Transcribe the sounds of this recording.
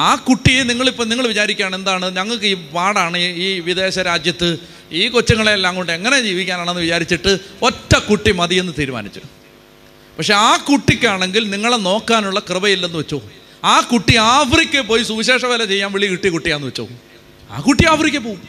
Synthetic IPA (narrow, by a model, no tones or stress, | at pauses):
aːkuʈːijeniŋːɐɭipːoːniŋːɐɭʋit͡ɕaːɾikʲːaːɳe̞nd̪aːɳɨɲɐŋːɐɭkɨiːʋaːɽaːɳɨiːʋid̪e̞ːɕɐɾaːd͡ʑjɐt̪ːɨ | iːkot͡ɕːɐŋːɐɭelːaːŋɡoɳɖɨeŋːɐne̞d͡ʑiːʋikʲːaːnaːɳenːɨʋit͡ɕaːɾit͡ɕːiʈːɨo̞tːɐkuʈːimɐðijenːɨt̪iːɾuma̰ːnit͡ɕːṵ | pɐkʂe̞aːkuʈːikʲːaːɳe̞ŋɡilniŋːɐɭeno̞ːkːaːnuɭːɐkrɨbɐjilːe̞nːɨʋɐet͡ɕːoː | aːkuʈːiaːfrikʲːepo̞ːjsuːɕe̞ːʂɐʋeːlɐt͡ɕe̞jːaːnʋeɭijɐkuʈːijkuʈːijaːenːɨʋet͡ɕːo̰ː | a̰ːkuʈːiaːfrik̬ʲːep̬ːoː